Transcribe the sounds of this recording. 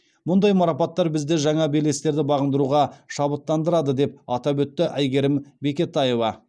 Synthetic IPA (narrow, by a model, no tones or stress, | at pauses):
mʊnd̪ɑjmɑɾɑpɑt̪ːɑɾbɪzd̪eʒɑɴɑbele̞st̪e̞ɾd̪ɪbɑʁənd̪əɾuʁɑʃɑbət̪ːɑnd̪əɾɑd̪əd̪e̞p̚ɑt̪ɑbɵt̪ːɪʔæjɡʲe̞ɾɪmbe̞kʲe̞t̪ːɑje̞vɑ